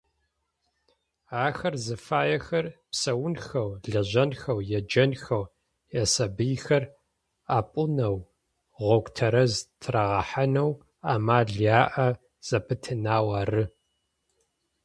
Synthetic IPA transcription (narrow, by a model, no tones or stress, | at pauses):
aːxɐrzɨfaːjɛxɐrpsɐwʊnxɐwɮɐʑɐnxɐwjɛd͡ʒɐnxɐw | jɛsɐbɨjxɐr | aːpʼʊnɐw | ʁʷɔkʷʼtʰɐɾɐztʰraʁɐħanɐw | aːmaːɮjaːʔɐ | z̥ɐpʰɨtʰɨnaːwaːrɨ